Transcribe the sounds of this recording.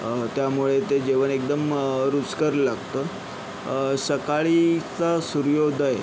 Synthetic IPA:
t̪jamuɭet̪ed͡ʑeʋənek̚d̪əmɾut͡skəɾlaɡt̪ə | səkaɭit͡sasuɾjod̪ʱəje

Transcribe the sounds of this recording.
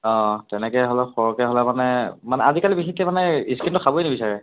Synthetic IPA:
ɔ̃tɛnɛkɛɦɔlɛxɔɹɔkɛɦɔlɛmanɛmanɛazikalibixikːɛmanɛiskintuxʰabojnibisaɹɛ

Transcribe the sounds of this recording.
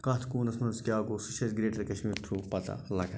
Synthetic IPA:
kɐt̪ʰkuːnɐsmɐnzkʲjaːkosɨʃɐzɡɾeːʈɐɾkɐʃmiːɾt̪ʰuːpɐt̪a̰lɐɡɐ

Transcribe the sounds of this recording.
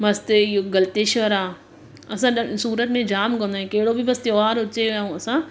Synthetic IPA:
mɐst̪ɪɡɐlt̪eʃʋəɾaː | ɐsãɗsuːɾət̪mẽd͡ʑaːmkɐ̃nd̪aːɦẽkɐɦɪɽobʱɪʋɐst̪eoaːɾʊt͡ɕeaũɐsã

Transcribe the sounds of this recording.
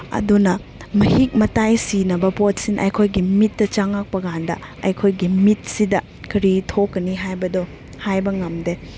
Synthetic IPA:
ɐ̰dunɐ | mɐhik̚mɐtajsinɐbɐpot̚sinʔɐ̰jkʰojɡimitːɐt͡ʃaŋak̚pɐɡandɐ̰ɐ̰jkʰojɡimit̚sidɐ | kɐɾitʰokːɐniɦajbɐdo | hajbɐŋɐmde

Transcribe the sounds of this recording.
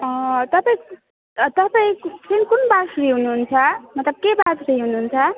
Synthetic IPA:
ʌt̪ʌpaĩ | t̪ʌpaĩt͡sinikunbasriɦunuɦunt͡sʰʌmʌt̪lʌb̚kebasriɦunuɦunt͡sʰʌ

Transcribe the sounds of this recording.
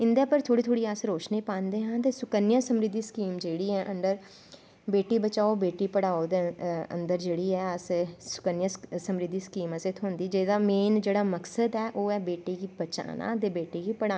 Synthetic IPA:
ɪnd̪aːpəɾt̪ʰoːɽiːt̪ʰoːɽiːaːsɾoːt͡ʃniːpãːnd̪eːɦãːt̪eːsʊkənɪjãːsəmɾɪd̪iːskiːmd͡ʒeːɽiːɛːʔə̃nd̪əɾ | beːʈiːbət͡ʃaːobeːʈiːpəɽaːod̪eə̰̃nd̪əɾd͡ʒeːɽiːɛːassʊ̥kənjãːsəmɾɪd̪iːskiːməsɪt̪ʰɦõːnd̪iːd͡ʒeːd̪aːmeːnd͡ʒeːɽaːməksəd̪ɛːʔoːɛːbeːʈiːɡibət͡ʃa̰ːna̰ːt̪eːbeːʈiːɡiːpəɽaː

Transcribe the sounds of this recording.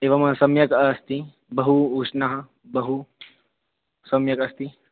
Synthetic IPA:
eːʋɐmsɐmjɐkɐst̪i | bɐɦuuʂnaɦɐ | bɐɦu | sɐmjɐkɐst̪i

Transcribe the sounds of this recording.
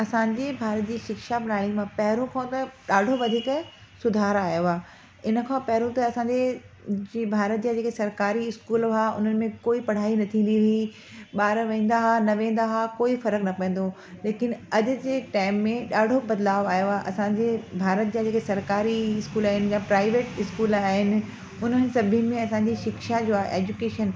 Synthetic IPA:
ɐsãːɲd͡ʑeːbʱaːɾət̪̚d͡ʑiːʃɪkʃabnaːɭimãpɐɦɪɾũkʰãːt̪ɐɗaːɖʱoʋɐd̪ʱiːk | sʊd̪ʱaːɾaːjoaː | ɪnə̆kʰãːpɐɦɪɾũt̪ɐɐsãːɲd͡ʑe | d͡ʑiːbʱaːɾət̪̚d͡ʑad͡ʑeːkesɐɾkaːɾiɪskuːlaːʊ̰n̤ənɪ̆mẽkoːipɐɽ̤aːinɐt̪ʰĩːn̆d̪iɦei | ɓaːɾʋẽːnd̪aɦanɐʋẽːn̆d̪aɦakoːifɐɾəknɐpɛ̃ẽːn̆d̪o | leːkɪnɐd͡ʑʊ̆d͡ʑeːʈaːɪmːẽɗaːɽʱobɐd̪laːʋaːjoaʔɐsãd͡ʑebʱaːɾət̪̚d͡ʑad͡ʑeːkesɐɾkaːɾiɪskuːlaːɦɪnɪ̆japɾaːɪʋeːʈɪskuːlaːɦɪnɪ̆ | ʊn̤ənɪ̆sɐbʱimẽɐsãɲd͡ʑiːʃɪkʃad͡ʑoːaːʔeːd͡ʑukeːʃən

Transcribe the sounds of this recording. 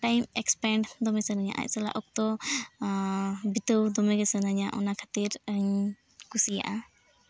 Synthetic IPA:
ʈajmɛkspɛɳɖd̪ɔməsənaɲa̰ʔa̰ʔsəla̰ʔɔk̚t̪ɔ | bit̪əwd̪ɔmɛɡəsənaɲaʔɔ̰nakʰat̪iɾəɲ | kusija̰ʔa

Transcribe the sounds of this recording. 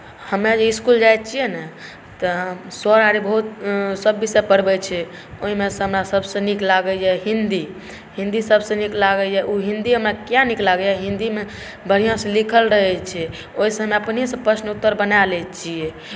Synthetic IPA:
həmjad͡ʒeiskuld͡ʒajtt͡ʃʰijenɛ | t̪ɔɦmsɔɾaɾibəɦut̪̚səbːisepəɽbɛt͡ʃʰɛ | oɦimesə̃ɦəmɾasəbsẽniklaɡəd͡ʒɛɦĩnd̪i | hĩnd̪isəbsẽniklaɡəd͡ʒɛʔuɦĩnd̪iɦəmɾakjaniklaɡəjaɦĩnd̪ime | bʱəɾ̤ijãsẽlikʰəlɾəɦɛt͡ʃʰɛ | oɦisẽɦəmeəpniẽsə̃pəsnut̪ːəɾbənalɛt͡ʃʰiɛ

